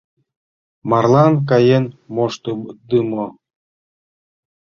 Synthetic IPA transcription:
mɑrlˠɑnk̬ɑjenmoʃt̪od̪ɨmo

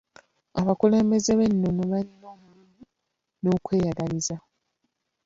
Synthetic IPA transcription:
aβakule̞ːmbe̞ze̞βe̞nːo̞noβalino̞ːmululu | no̞ːkwe̞ːjaɡaliza

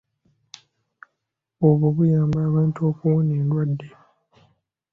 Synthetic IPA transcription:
oβoβujaːmbaːβaːntuoːkuwuneːndwadːe

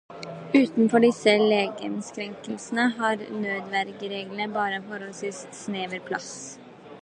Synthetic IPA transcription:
ʉːt̪n̩fɔɖɪsəleːɡə̰nskɾɛŋkəlsn̩əɦɑːɾnøːd̪ʋæɾɡɾeːɡln̩əbɑːɾəfɔɾɔlsʋiːsːneːʋəɾpʰlɑ̰s

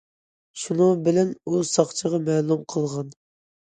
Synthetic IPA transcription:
ʃunubɪlɛnusɑχt͡ʃʰəʁɑmɛːlˠumqʰəlˠʁɑn

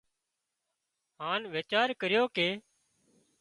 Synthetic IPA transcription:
ɦãːnʋeːt͡ʃaːɾkəɾɪjoːkeː

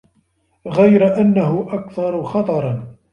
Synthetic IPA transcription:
ɣajɾaʔanːaɦʊʔakθɑɾˤxɑt̪ˤɑɾˤɑn

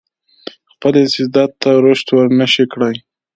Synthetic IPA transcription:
xpəlɪsɪzd̪ɑt̪ːaɾoʃt̪wəɾnəʃikɽaj

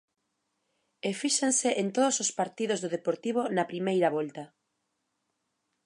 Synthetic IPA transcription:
efiʃensɪʔent̪oðosospaɾt̪iðozðoðepoɾt̪iβonɐpɾimejɾɐβɔlt̪ɐ

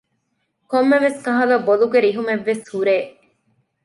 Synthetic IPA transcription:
komːeʋeskɐɦɐlɐboluɡeɾiɦumeʋːeshuɾeː

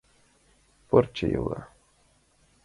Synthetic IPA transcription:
poɾt͡ʃejo̰ɣa̰

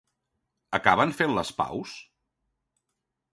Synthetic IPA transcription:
əkaβənfenləspa̰ws

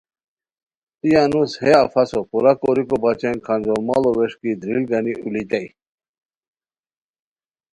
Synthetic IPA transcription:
ijanusheafɐsopuɾakoɾikobat͡ɕenkʰɐnd͡ʑolmaloʋeʂkid̪ɾilɡɐniṵlit̪ai

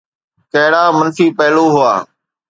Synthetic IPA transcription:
kəɦɽaːmənfiːpəɦɪloːɦʊaː

